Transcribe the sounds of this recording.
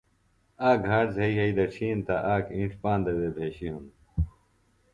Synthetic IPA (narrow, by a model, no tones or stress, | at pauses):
aːɡʱaːʈzɐiɦɐid̪ɐt͡ɕʰiːnt̪ɐʔaːkĩɳʈ͡ʂpãːnd̪ɐweːbʱeːɕiɦun